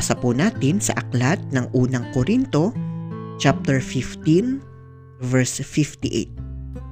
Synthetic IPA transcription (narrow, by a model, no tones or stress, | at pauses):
sɐpunaːt̪ɪnsɐ̰ʔɐklat̪̚nɐŋʔuːnɐŋkoɾint̪o̞t͡ʃap̚t̪ɛɹfɪft̪in | vɛɹsfɪft̪iʔḛt̪̚